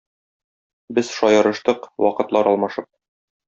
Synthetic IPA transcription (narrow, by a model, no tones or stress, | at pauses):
bɘz̥ʃɒjɤ̆ɾɤ̆ʃt̪ɤqwɒqɤ̆t̪lˠɑɾɒlˠmɑʃɤp̚